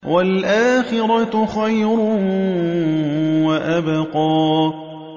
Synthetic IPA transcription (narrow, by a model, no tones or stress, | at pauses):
walʔaːxɪɾˤɑxajɾʊ | waʔabaqɑː